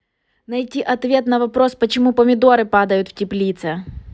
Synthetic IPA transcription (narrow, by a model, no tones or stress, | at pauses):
nɐjtʲiʔɐt̪vʲe̞t̪nɐvɐpɾospət͡ɕɪmupɐmʲɪd̪o̞ɾɨpad̪ɐjʊt̪ftʲɪplʲit̪sɛ